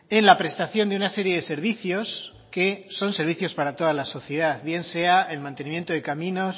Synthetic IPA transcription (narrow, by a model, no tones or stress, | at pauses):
e̞nlapɾe̞st̪aθjo̞nd̪eunase̞ɾje̞ðe̞se̞ɾβiθjo̞s | ke̞so̞nse̞ɾβ̞iθjo̞spaɾat̪o̞ð̞alaso̞θjeðaðβje̞nse̞ae̞lmãnt̪enĩmjent̪oðe̞kamĩno̞s